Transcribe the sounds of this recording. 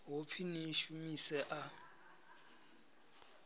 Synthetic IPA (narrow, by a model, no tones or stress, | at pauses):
ɦop̪fʰiniʃumisɛʔa